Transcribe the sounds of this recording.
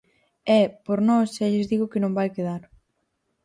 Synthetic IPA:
ɛpoɾnɔsʃɛʎɪzðiɣʊkɪnõmbajkeðaɾ

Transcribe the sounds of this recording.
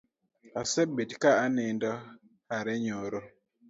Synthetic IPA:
asɛbedkaanɛndɔ | haɾɛɲoɾo

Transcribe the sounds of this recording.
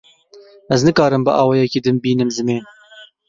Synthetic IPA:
ɛznɨkɑːɾɨmbɨʔɑːwɑjɛkiːd̪ɨmbiːnɨmzɨmeːn

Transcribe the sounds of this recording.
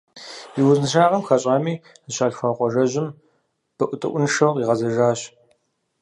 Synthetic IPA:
iwʊznɨʃaːʁɐmxɐɕʼaːmiː | zɕaːɬxʷɐqʷʼɔʒɐʑɪm | b̥ɨʔʷʊtʼɨ̰ʔʷʊnʂɐwʁiːʁɐzɐʒaːɕ

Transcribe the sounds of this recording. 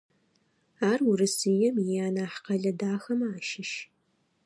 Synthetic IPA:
aːrurɨsɨjɛmjaːnaːħqʰɐɮɐdaːxɐmaːʃɪʃ

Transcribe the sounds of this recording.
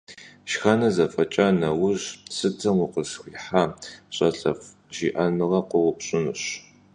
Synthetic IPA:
ʃxɐnɐzɐfʼɐt͡ʃʼanɐwʊʑsɨtʰɐmwʊqəsxʷiħaːɕʼɐɬʼɐf | ʒiːʔɐnɨʁɐqʷʊʁʷʊpɕʼɪnɨɕ

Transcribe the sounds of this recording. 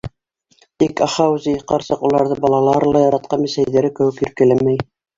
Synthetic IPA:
t̪ikɑχɑwzijqɑɾsɤqulˠɑɾðɤbɑlˠɑlˠɑɾlˠɑjɑɾɑt̪̚qɑnmisæjðæɾɘkɘ̆wɘkjɵ̆ɾkɘ̆læmæj

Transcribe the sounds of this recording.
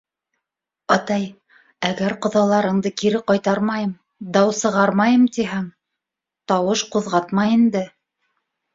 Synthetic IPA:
ɑt̪ɑj | æɡæɾqŏðɑlˠɑɾɤ̆ɴd̪ɤkiɾɘqɑjt̪ɑɾmɑjɤm | d̪ɑwsɤ̆ʁɑɾmɑjɤmt̪iɦæŋ | t̪ɑwɤʃquðʁɑt̪mɑjind̪ɘ

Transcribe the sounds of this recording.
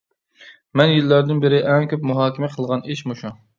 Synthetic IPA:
mɛnjilːæɾd̪ɪnbɪɾɪʔɛŋkʲøpmuɦɑːkʲmɛqʰəlˠʁɑniʃmuʃu

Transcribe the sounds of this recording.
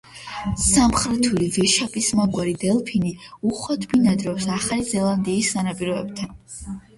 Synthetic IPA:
samχɾɛt̪ʰulivɛʃapʼismaɡwaɾid̪ɛlˠpʰiniuχwad̪binad̪ɾɔwsaχalizɛlˠand̪iːsːanapʼiɾɔɛb̥t̪ʰan

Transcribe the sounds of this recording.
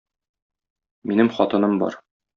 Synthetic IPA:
minɘmχɒt̪ɤ̆nɤmbɒ̰ɾ

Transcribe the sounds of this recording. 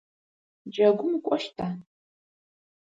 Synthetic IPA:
d͡ʒɐɡʷʊmkʷʼɔʃtʰaː

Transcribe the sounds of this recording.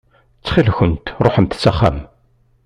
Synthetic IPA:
t͡sːχilçənt̪ɾˤoħəmt̪t͡sːæχːæ̰m

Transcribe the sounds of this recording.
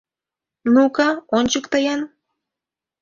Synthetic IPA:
nukɑonʲt͡ɕukt̪əjɑn

